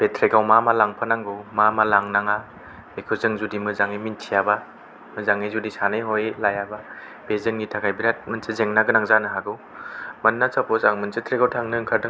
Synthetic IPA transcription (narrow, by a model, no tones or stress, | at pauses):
b̥etʰɾeɡawmamalaŋpʰanaŋɡɯwmamalaŋnaŋa | ekʰɯzɯŋzudimɯzaŋijmintʰijaba | mɯzaŋɯjzudisanajɦojlajaba | b̥ezɯŋːitʰakʰajbiɾat̚mɯnsɯzeŋnaɡɯnaŋzanɯɦaɡɯw | mɐnːasapʰɔzaŋmɯnsɯtʰɾeɡawtʰaŋnɯŋkʰaɾdɯŋ